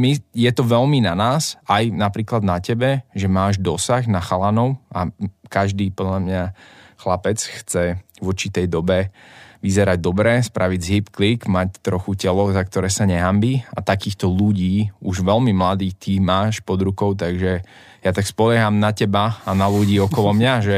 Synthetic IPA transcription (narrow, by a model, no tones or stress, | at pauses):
mijɛt̪ɔʋɛlminanaːsajnapɾiːklad̪nacɛbɛʒɛmaːʒd̪ɔsaɣnaxalanɔʊʔakaʒd̪iːpɔd̪ʎamɲaxlapɛt͡sxt͡sɛ | vɔɾt͡ʃit̪ɛjd̪ɔbɛʋizɛɾaɟ̚d̪ɔbɾɛːspɾʔaʋid͡zɦipklikmact̪ɾɔxucɛlɔzakt̪ɔɾɛːsaɲɛɦambiːa̰t̪akiːxt̪ɔluɟiːuʒʋɛlmimlad̪iːt̪imaːʃpɔd̪ɾukɔʊt̪aɡʒɛ | jat̪akspɔʎɛɦamnacɛbaanaluɟiːɔkɔlɔmɲaʒɛ